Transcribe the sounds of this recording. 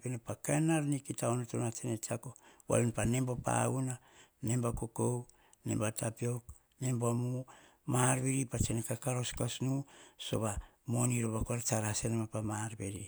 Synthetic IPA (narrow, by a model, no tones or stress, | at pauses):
pinapakanaɾnikitaonotonat͡ʃenet͡ʃako̞wa̰linpanembopa̰una | nembakokow | nḛmbatapiok | nemboamu | maɾbiɾipat͡ʃenekakaɾoskasnuso̞̰βa | mo̞niɾoβakoaɾt͡ʃaɾasenemapamaɾbeɾi